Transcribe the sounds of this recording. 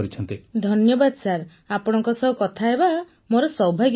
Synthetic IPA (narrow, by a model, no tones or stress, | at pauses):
ɾit͡ʃʰɔnt̪id̪ʱɔnjɔbad̪ɔsaɾ | apɔɽ̃ɔŋkɔsɔɦukɔt̪ʰaeba | moɾɔsɔwbʱaɡ